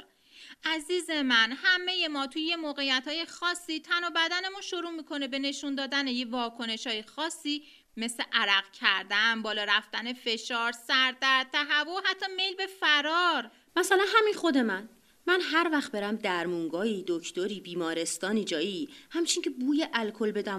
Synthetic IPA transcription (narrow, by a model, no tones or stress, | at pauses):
ʔæziːze̞mænhæmːe̞je̞mɒːt̪ʰujejemoːɣe̞jːæt̪hɒːjexɒːsːiːt̪ʰænobæd̪æne̞munʃoɾuːmiːkʰo̞ne̞be̞ne̞ʃund̪ɒːd̪æne̞jevɒːkʰo̞ne̞ʃhɒːjexɒːsːiː | me̞sle̞ʔæɾæɣcʰæɾd̪ænbɒːlɒːɾæft̪æne̞fe̞ʃɒːɾsæɾt̪æɾt̪ʰæɦæboɦæt̪ʰːɒːme̞jlbe̞fæɾɒːɾ | mæsælænɦæminχo̞d̪emæn | mænɦæɾvæxt̪̚be̞ɾæmd̪æɾmuŋɡɒːiːd̪ocʰt̪oɾiːbiːmɒːɾe̞st̪ɒːnid͡ʒɒːihæmt͡ʃʰiŋcʰebuːjeʔælkʰo̞lbe̞d̪æm